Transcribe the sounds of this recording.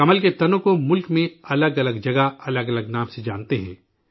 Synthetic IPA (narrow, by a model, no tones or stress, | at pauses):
ɐməlket̪ɐnõkomʊlkmẽɐləɡɐləɡd͡ʒɐɡaɐləɡɐləɡnaːmsed͡ʒaːnt̪eɦɛ̰̃ː